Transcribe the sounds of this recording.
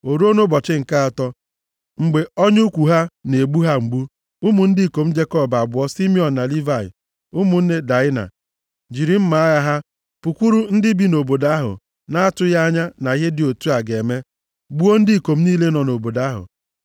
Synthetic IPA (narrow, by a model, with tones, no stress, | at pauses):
o˨ɾu˦o˦no˦bɔ˨t͡ʃɪ˦ŋ̩˨ka˦a˨tɔ˦ | ŋ͡m̩˨ɡ͡be˨ɔ˦ɲʊ˦kʷu˨ɦa˦ne˨ɡ͡bu˦ɦa˦ŋ͡m̩˨ɡ͡bu˦ | u˦mu˨n̩˦di˦˨ko˨m̩˦d͡ʒe˦kɔ˦ba˨bʊ˨˦ɔ˦si˦mi˦ɔ˨n̩˨na˨li˦va˦˨ɪ̰˨ | u˦mu˨n̩˦ne˦da˨ɪ˦na̰˨ | d͡ʒi˨ɾi˨m̩˦ma˨˦ɣa˦ɦa˦ | pu˨kʷu˦ɾu˦n̩˦dɪ˦bi˦no˨bo˨da˦ɦʊ̰˨ | na˦a˦tʊ˦ja˦ɲa˦na˨ɣɪ˦dɪ˨o˨tu˦a˨ɡe˨me˦ | ɡ͡bu˦o˦n̩˦dɪ˦˨ko˨m̩˦niː˦le˦nɔ˨no˨bo˨da˨˦ɦʊ̰˨